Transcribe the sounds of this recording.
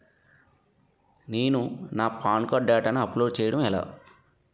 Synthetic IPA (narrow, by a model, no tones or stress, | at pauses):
neːnunaːpaːnkaːɖːaːʈaːnuɐploːɖ̚t͡ʃɛːjɐɽɐmɛla̰ː